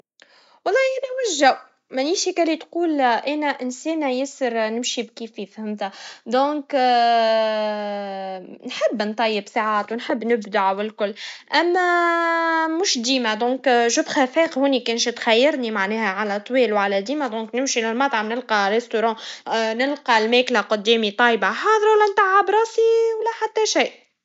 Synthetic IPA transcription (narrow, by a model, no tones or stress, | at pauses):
wɑlˤːɑːʔænæmɪʃʒaw | mæniːʃhikælːit̪quːlʔænæʔɪnsɛːnæjɪsəɾnɪmʃibkiːfifhɪmt̪æd̪ɔ̃ːk | nħəbːnt̪ˤɑjːɪbsaʕaːt̪wɪnħəbːnɪbd̪aʕwɪlkʊlːʔæmːæ | mʊʃd̪iːmæd̪ɔ̃ːkʒʊbxæfɛːqhuːnikænʃt̪xæjːɑɾnimaʕnɛːhæʕalæt̪ˤːwiːlwʕalɛd̪iːmæd̪ɔ̃ːknɪmʃilɪlmɑt̪ˤʕɑnɪlqɑrːest̪oɾɑ̃ːnɪlqɑlmɛːklaqʊd̪ːɛːmit̪ˤɑjbaħɑːðˤəɾwælːænt̪aʕːabɾˤɑːsiwlːæħat̪ːæʃiːʔ